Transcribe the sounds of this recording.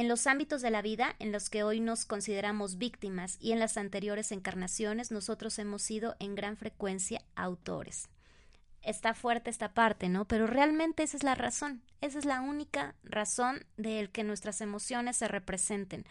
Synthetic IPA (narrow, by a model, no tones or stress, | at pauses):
e̞nlosambit̪o̞zðe̞laβiðaʔenloske̞o̞jno̞sko̞nsiðe̞ɾamo̞zβikt̪imasḭe̞nlasant̪e̞ɾjo̞ɾe̞se̞ŋkaɾnasjo̞ne̞zno̞so̞t̪ɾo̞se̞mo̞sið̞o̞ʔe̞ŋɡɾaɱfɾe̞kwe̞nsja̰awt̪o̞̰ɾes | e̞st̪afwe̞ɾt̪e̞est̪apaɾt̪e̞no̞pe̞ɾo̞re̞almẽnt̪e̞ese̞zlara̰so̞n | e̞s̬e̞zlaunikaraso̞nd̪e̞lkenwe̞st̪ɾase̞mo̞sjo̞ne̞sːe̞re̞pɾe̞se̞nt̪e̞n